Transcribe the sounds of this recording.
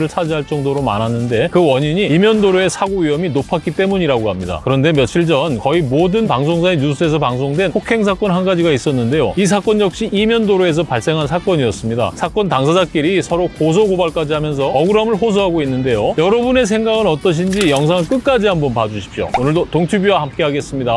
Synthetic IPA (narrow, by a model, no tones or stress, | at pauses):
ɾɯɭsʰad͡ʑiɦaɭt͡ɕ͈ʌŋdoɾoma̰nɦanːɯnde̞kɯwʌɲiɲiimjʌndoɾoe̞sʰaɡoɥiʌminopʰak͈it͈e̞muɲiɾaɡoɦamɲida̰kɯɾʌnde̞mjʌt̚t͡ɕʰiɭd͡ʑʌnkʌimodɯnpaŋs̬ʰoŋsʰaeɲus͈ʰɯe̞s̬ʰʌpaŋs̬ʰoŋdwe̞nɸʰokʰe̞ŋs̬ʰak͈ʌnɦanɡad͡ʑiɡais͈ʌnːɯnde̞jo̰is̬ʰak͈wʌnjʌk̚ɕ͈iʔːmjʌndoɾoe̞s̬ʰʌpaɭs͈e̞ŋɦansʰakk͈wʌɲiʌs͈ɯmɲida̰sʰak͈ʌntaŋsʰad͡ʑak͈iɾisʰʌɾokos̬ʰʌɡobaɭk͈ad͡ʑiɦamjʌns̬ʰʌʌɡuɾamɯɭɸos̬ʰʌɦaɡoinːɯnde̞jojʌɾʌbune̞sʰe̞ŋɡaɡɯnʌt͈ʌɕ̬ʰind͡ʑijʌŋs̬ʰaŋɯɭk͈ɯk͈ad͡ʑiɦambʌnpad͡ʑuɕʰi̥pɕ͈o̰onɯɭdotoŋtʰubjuahamk͈e̞ɦaɡe̞s͈ɯmɲida